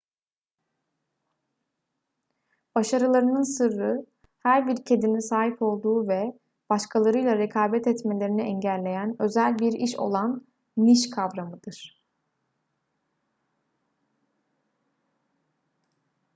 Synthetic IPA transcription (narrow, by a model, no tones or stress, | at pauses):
b̥aʃaɾɯlˠaɾɯnɯnsɯɾːɯ | hæɾbiɾcʰe̞d̪inisaːɦipʰo̞lˠd̪uːvɛ | b̥aʃkʰalˠaɾɯjlˠaɾekʰaːbɛt̪ɛt̪me̞lʲeɾiniʔɛɲɟælʲːe̞jænø̞zælʲbiɾiʃo̞̰lˠanː | iʃkʰavɾamɯd̪̥ɯɾ̥